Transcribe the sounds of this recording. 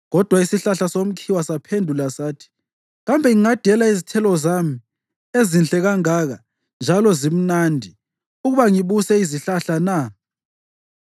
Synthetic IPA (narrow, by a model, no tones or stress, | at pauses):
ɣɔd̥ʱwaisiɬaɬasom̩kʰiwasapʰendʱulasaːtʰi̥ | ɣambʱɛŋiŋad̥ʱɛlaizitʰɛlɔzami | ezinɬʼɛɣaŋaɣa | nd͡ʒʱalɔzim̩nandʱi | uɣuβaŋiβusɛiziɬaɬana